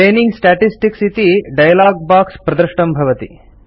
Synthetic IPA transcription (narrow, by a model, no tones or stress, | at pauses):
eːniŋɡsʈaːʈisʈiksit̪iɖɐjɐlaːɡ̚baːkspɾɐd̪ɐɾʃʈɐmbʱɐʋɐt̪ḭ